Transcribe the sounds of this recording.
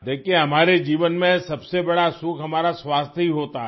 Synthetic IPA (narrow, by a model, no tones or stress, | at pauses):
d̪eːkʰieɦɐmaːɾed͡ʒiːʋənmẽsɐbsebɐɽasukʰɦɐmaːɾaswaːst̪ʰɦiɦoːt̪a